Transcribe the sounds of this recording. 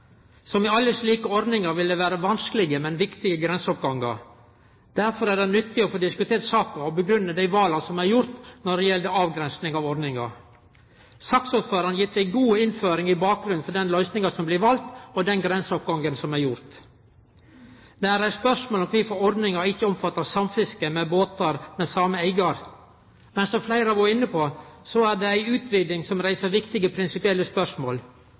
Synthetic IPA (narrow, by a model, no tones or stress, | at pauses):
sɔmɪɑlːəʂliːkəɔɾd̪nɪŋɑɾʋɪld̪ɛʋæːɾəʋɑnskəlɪɡəmɛnʋɪkt̪ɪɡəɡɾɛnsəɔp̚ɡɑŋːɑɾ | d̪̥æɾfɔɾæɖɛnʏt̪ːɪɔfoːd̪ɪskʉt̪ʰeːɾsɑːkɑɔbəɡɾʉnːəd̪æɪʋɑːlɑsɔmæɾjʊɾt̪nɔɖɛjɛld̪əɑːʋɡɾɛnsnɪŋɑʋɔɾɖ̪nɪŋɑ̰ɾ | sɑksuːt̪føːɾɑnjɪt̪ːæɪɡuːɪnføːɾɪŋɪbɑːk̚ɡɾʉnfɔɖ̪ɛnlœʏsnɪŋɑsɔmblɪʋɑlt̪ɔd̪ɛnɡɾɛnsəɔp̚ɡɑŋɡənsɔmæɾjʊɾt̪ | d̪ɛæɾæɪspœʂmoːlɔmkʋɪfɔɔɾd̪nɪŋɑɪçːəɔmfɑt̪ːɑsɑmfɪskəmɛboːt̪ɑɾmɛsɑməæɪɡɑɾ | mɛnsɔflæɪɾəɑʋoɪnːəpʰosɔæɖɛæɪʉːt̪ʰʋiːd̪ɪŋsɔmɾæɪsəɾʋɪkt̪ɪɡəpʰɾɪnsɪpɪɛlːəspœʂmoːl